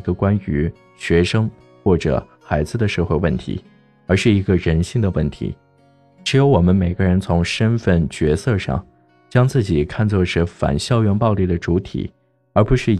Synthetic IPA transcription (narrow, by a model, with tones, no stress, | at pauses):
ɡə˧kwa˥ny˧˥ | ɕɥɛ˧˥ʂɤ˥ŋ | xwɔ˥˩ʈ͡ʂɤ̰˨˩ | xa˧˥ɪd͡zɹ̩˧d̪ə˨ʂɤ˥˧xwe˥˧ɪwə˥˩nt̪ʰḭ˧˥ | ə˞˧˥ʂɻ̩˥˩i˧˥ɡə˧ɻə˧˥nɕi˥˩ŋd̪ə˩wə˥˩nt̪ʰḭ˧˥ | ʈ͡ʂɻ̩˧˥jo˧˥ʊwɔ˨˩mə˦nme˨˩ɪɡə˦ɻə˧˥nt͡sʰʊ˧˥ŋʂə˥nfə˥˩nt͡ɕɥɛ˧˥sɤ˥˧ʂɑ̰˥˧ŋ | t͡ɕjɑ˥ŋt͡sɹ̩˥˩t͡ɕi˨˩kʰa˥˧nt͡swɔ˥˧ʈ͡ʂə˥˩fa̰˨˩nɕjɑ˥˧ʊɥɛ˥˧npɑ˥˧ʊli˥˩d̪ə˩ʈ͡ʂu˧˥t̪ʰḭ˨˩˦ | ə˞˧˥pu˧˥ʂɻ̩˥˩